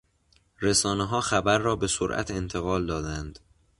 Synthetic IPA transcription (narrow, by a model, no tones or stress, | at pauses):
ɾesɒːneɦɒːxæbæɾːɒːbe̞soɾʔæ̰t̪ʰe̞nt̪ʰe̞ɣɒːld̪ɒːd̪ænd̪̥